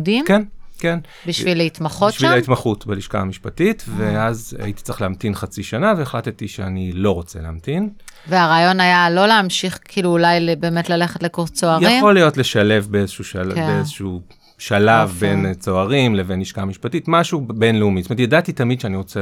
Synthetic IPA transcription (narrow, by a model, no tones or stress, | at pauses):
dimkenken | biʃvvileitmaχoʃʃvlait̪maχutbeliʃka̰amiʃpatitveaza̰jiti̥t͡sʁeχleamtinχat͡siʃanaveːχlat̪etiʃeanilo̞ʁo̞t͡seleːmtinveaʁaːjo̞najalo̞leamʃiχkʰiːluːlajlbe̞ːmetlale̞χetlekoʁt͡soaʁjaiχmo̞lijo̞tle̞ʃale̞vbeezeʃuʃaeezeʃu | ʃalavbent͡soaʁimleveniʃkamiʃpatitmaʃube̞nleumitometjadatitamidʃeaniʁo̞t͡se